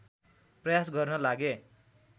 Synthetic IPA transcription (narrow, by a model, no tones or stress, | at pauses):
prʌjasɡʌrnʌlaɡe